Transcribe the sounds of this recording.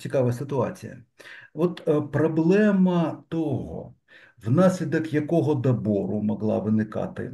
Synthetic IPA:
t͡sʲikɑʋɐsɪt̪ʊɑ̰t͡sʲijɐ̰ʋɔt̪pɾɔblˠɛmɐt̪ɔɦɔ̰ | wnɑsʲlʲid̪ɐkjɐkɔɦɔd̪ɐbɔɾʊmɔɦlˠɑ̰ʋɪnɪkɑ̰t̪ɪ̰

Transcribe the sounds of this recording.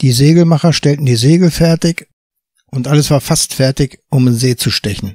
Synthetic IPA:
d̥iːzeːɡl̩maχɐʃtɛltn̩diːzeːɡl̩fɛɐtɪç | ʔʊntʔaləsv̥aːɐfastfɛɐtɪçʔʊmenzeːt͡suʃtɛçn̩

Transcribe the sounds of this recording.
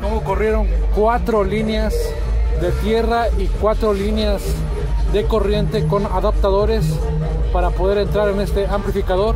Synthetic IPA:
nookorje̞ɾo̞ŋkwat̪ɾo̞lineaz | ðe̞t̪je̞raikwat̪ɾo̞lineaz | ðe̞ko̞rje̞nt̪e̞ko̞naðap̚t̪aðo̞ɾe̞s | paɾapo̞ðe̞ɾe̞nt̪ɾaɾene̞st̪e̞amplifikaðo̞ɾ

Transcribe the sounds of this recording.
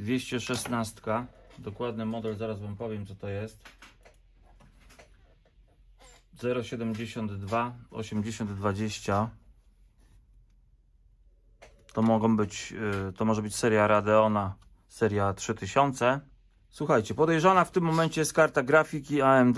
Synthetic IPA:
d̪vʲjeɕt͡ɕɛʂɛsnast̪kad̪ɔkwad̪nɘmɔd̪ɛlzaɾazvampɔvʲjɛmt̪ɔt̪ɔjɛst̪ | zɛɾɔɕɛd̪ɛmd͡ʑeɕɔnd̪ːvaɔ̰ɕɛmd͡ʑeɕɔnd̪ːvad͡ʑeɕt͡ɕa | t̪ɔmɔɡɔ̃w̃bɘt͡ɕt̪ɔmɔʐɛbɘt͡ɕsɛɾjaɾad̪ɛɔna | sɛɾʲjatʂɘt̪ɘɕɔnt̪sɛ | swuxajt͡ɕɛpɔd̪ɛjʐanaft̪ɘmːɔmɛnt͡ɕɛjskaɾt̪aɡɾafʲik̬ʲiaɛmd̪

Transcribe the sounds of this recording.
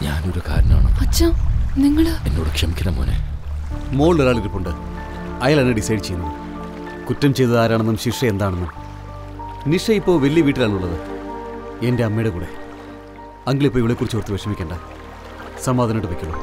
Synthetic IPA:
ɲa̰ːno̞ɾuka̰ːɾɐnɐma̰ːɳo̰ɐt͡ɕːɐmniŋːɐɭḛnːo̰ːɽɨkʂɐmikʲːɐnːɐmo̰ːnḛ | mo̞ːɭoɾaːɭiɾipːuɳɖɨ | ɐjaːlɐnːeɖisɐjɖt͡ɕe̞junːu | kutːɐmt͡ɕejt̪ɨðaːɾaːɳenːumɕiʂɐend̪aːɳenːum | niʂɐipːo̞ːʋelːijɐʋiːʈːilaːɭnuɭːɐðɨ | e̞ndeɐmːejɽɐkuːɽe̞ | ɐŋɡiɭipːoːiʋiɭekurit͡ɕːorɐt̪ːɨʋekʂɐmikʲːeːɳɖɐ | sɐmaːd̪ʱɐnɐʈːɨʋekʲːuɭːo̰

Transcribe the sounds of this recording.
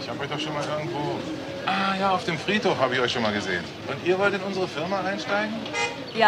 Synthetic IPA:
ɪçhaːbɔɪd̥ɔχʃoːnmaːlʔɪɐɡŋ̩tv̥oː | ʔaːjaːaʊfd̥eːmfʁ̥iːtoːfhaːbəɪçʔɔʏçʃoːnmaːlɡəzḛːən | ʔʊntʔiːɐvɔltɪnʊnzəʁəfɪɐmaaɪnʃtaɪɡŋ̩ | ja

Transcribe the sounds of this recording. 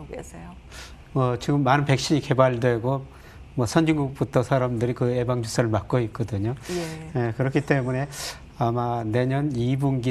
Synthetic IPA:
so | mʌt͡ɕiɡɯmːanɯnpe̞k̚ɕ͈iɲike̞baɭdwe̞ɡo | mwʌsʰʌnd͡ʑiŋɡuk̚p͈utʰʌsʰaɾamdɯɾikɯe̞baŋd͡ʑus͈ʰaɾɯɭmak͈̚oit̚k͈ʌdɯɲojekɯɾʌkʰit͈e̞mune̞ | amane̞ɲʌnibunɡi

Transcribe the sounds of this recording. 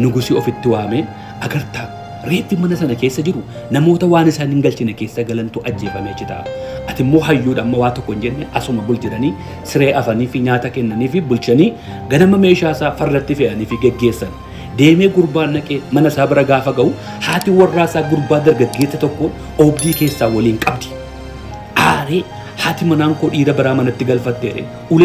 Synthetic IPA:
nʊɡʊsiɔfɪt̪ːɪwaːmeː | ʔɐɡɐɾt̪aː | ɾe̞ːt̪ːimɐnɐsɐnɐkeːsːɐd͡ʒɪɾʊ | nɐmo̞ːt̪ɐwaːnɪsaːnɪŋɡɐlt͡ʃɪnɛke̞ːsːɐɡɐlɐnt̪uːʔɐd͡ʒːe̞ːfɐmeːt͡ʃːɪt̪ɐ̰ʔɐ̰ʔɐt̪ɪmːo̞ːɦɐjːuːᶑɐmːɐwaːt̪ɔkːɔɪnd͡ʒɛnːɛʔɐsʊmɐbʊld͡ʒɪɾɐniː | sɪɾe̞ːʔɐfɐniːfɪɲaːt̪ɐkɛnːɐniːfɪbʊlt͡ʃɐniː | ɡɐnɐmɐme̞ːʃaːsaːfɐrːɐt̪ːɪfɛʔɐniːfɪɡɛɡːe̞ːsːɐn | d̪e̞ːmeːɡʊɾbaːnːɐkʼemɐnɐsaːbɐɾɐɡaːfɐɡɐʔʊ | haːt̪ɪwɐrːaːsaːɡʊɾbaːd̪ɐɾɡɐɡːe̞ːsːɐt̪ɔkːɔ | ʔɔbd̪iːke̞ːsːaːwɐliːŋkʼɐbd̪ɪ̥ | ʔaːɾeː | haːt̪ɪmɐnaːŋkoᶑiːd̪ɐbɐɾaːmɐnɐt̪ːɪɡɐlfɐt̪ːeːᶑɛ̰ | ʔʊl

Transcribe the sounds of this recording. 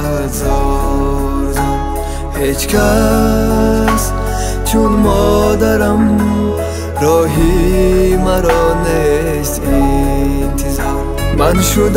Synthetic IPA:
a | zɔ | ɾzan | het͡ʃkʰa | s | t͡ʃʰunmɔd̪aɾam | ɾɔɦi | maɾɔne | st̪i | nt̪ʰizɔɾ | manʃud̪

